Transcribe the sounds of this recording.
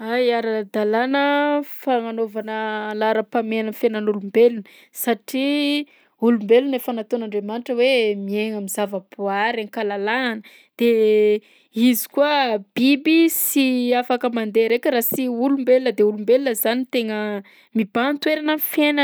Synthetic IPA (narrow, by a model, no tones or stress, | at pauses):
ajaɾad̪alanəfaŋanovanəlaɾəpamenənfenənulumbelunə | saʈ͡ʂi | ulumbelunefanat̪onaɳɖ͡ʐemaniʈ͡ʂəwemieŋamizavəb̥oaɾaŋkalalanə | d̪̥e | izi̥kuəb̥ibisiafakəmand̪eɾekʲəɾasiulumbelunəd̪eulumbelunəzanit̪eŋə | mibant̪weɾanənfenə